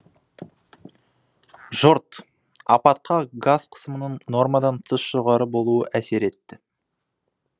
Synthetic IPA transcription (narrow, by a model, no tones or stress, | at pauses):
ʒ̥ʊɾt̪ | ɑpɑt̪̚qʰɑɡaz̥qʰə̥səmənəɴno̞ɾmɑd̪ɑnt̪ʰəsʒ̥oʁɑɾəbo̞lˠuəʔæse̞ɾe̞t̪ːɪ